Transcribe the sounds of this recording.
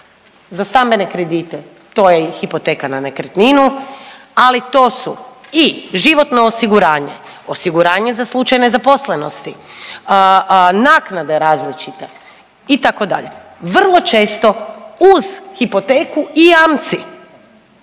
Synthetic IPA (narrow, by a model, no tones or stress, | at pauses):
zast̪ambe̞ne̞kɾed̪it̪e | t̪o̞jexipo̞t̪ekananekɾt̪ninu | alit̪o̞ːsuiʒiʋo̞t̪noːsiɡuɾaːɲe̞̰ | osiɡuɾaːɲe̞zaslˠut͡ʃajne̞zapo̞sle̞no̞st̪i | naːknad̪e̞ɾaːzlit͡ʃit̪e | it̪ako̞d̪a̰ʎe̞̰ | ʋr̩lˠo̞t͡ʃe̞ːst̪o̞uz̥xipo̞t̪eːkuiaːmt̪si